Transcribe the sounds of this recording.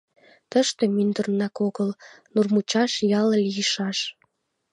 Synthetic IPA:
t̪əʃt̪e̽mynd̪ərnɑkoɣəlnurmut͡ɕɑʃjɑləlijəʃɑʃ

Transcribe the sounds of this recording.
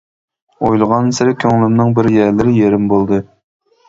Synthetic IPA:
ojlˠʁɑnsɪɾɪkʲʰøŋlɪmnɪŋbɪɾjæɾlɪɾɪjeɾɪmbolˠd̪ɨ

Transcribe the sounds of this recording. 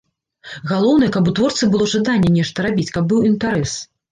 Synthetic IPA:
ɣalˠɔwnɨjɛkɐbut̪vɔrt̪sɨbɨlˠɔʐad̪anʲːɛnʲɛʂt̪ɐɾabʲit͡sʲkɐb̚ːɨwint̪aɾɛs

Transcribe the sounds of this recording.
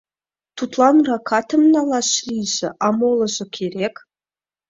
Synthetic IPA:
t̪ʰut̪lˠɑnrɑkʰɑt̪ʰə̆mnɑlˠɑɕlʲiʒɘ̆ʔɑmolˠɤ̆ʑɤ̆kʲʰeɾek

